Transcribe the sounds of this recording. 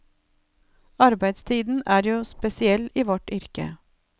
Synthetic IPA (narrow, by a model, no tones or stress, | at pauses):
ɑɾbæɪd̪st̪ʰiːd̪n̩ʔæːɾjuːspɛsɪɛliːʋɔʈʏɾkə̰